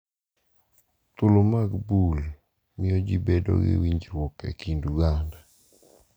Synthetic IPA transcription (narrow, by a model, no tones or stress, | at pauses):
t̪ʊlomaɡbul | mɪɔd͡ʒibedo̰ɡɪ̰wiɲd͡ʒɾwɔkḛkinduɡanda